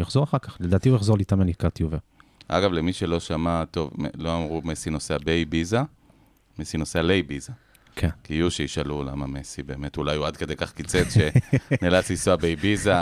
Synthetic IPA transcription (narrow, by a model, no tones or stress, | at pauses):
jaχzoʁaχaʁkaχledaːt̪iujaχzo̞ʁlit̪amanikat̪iuvea̰ɡavlemiʃelo̞ʃamat̪o̞veloamʁumesino̞seabejbiza | mesinosealejbiza | kʰenkiuʃeiʃalula̰mamesibe̞ːme̞tulajuadke̞d̪ejkaχkit͡set͡sʃe̞nelat͡sisoabejbiza